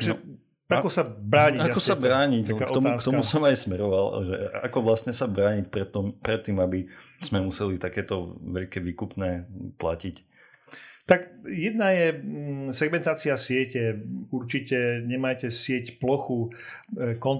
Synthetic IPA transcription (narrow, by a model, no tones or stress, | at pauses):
ʒɛ | akɔsabɾaːɲiaakɔsabɾaːɲic̪akaɔɔmast̪ɔmusɔmajsmɛɾɔʋalʒɛ̰ʔa̰kɔʋlast̪ɲɛsabɾaːɲic̚pɾɛt̪ːɔmpɾɛt̪ːiːmabiz̥mɛmusɛlit̪akɛːt̪ɔʋɛʎkɛʋiːkupnɛːpla̰cic | t̪akjɛd̪najɛsɛɡmɛnt̪aːt͡siasɪɛcɛuɾt͡ʃicɛɲɛmaːcɛsɪɛcplɔxu | kɔn